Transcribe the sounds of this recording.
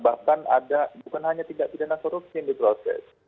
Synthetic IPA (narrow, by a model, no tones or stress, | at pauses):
bahkana̰dabukanɦaɲat̪idaʔpidanakoɾuksindipɾosɛ̰s